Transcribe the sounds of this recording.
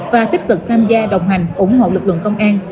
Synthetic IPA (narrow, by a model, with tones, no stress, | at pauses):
vaː˨˩t̪i˦˥k̟̚kɨ˨˩k̚t̪ʰaː˧mzaː˧ɗə˨˩wŋ͡mɦa˨˩jŋ̟ʔʊ˧˦ŋ͡mɦo̰˧˨lɨ˨˩k̚lɨ̰˧˨əŋkə˧wŋ͡mʔaː˧n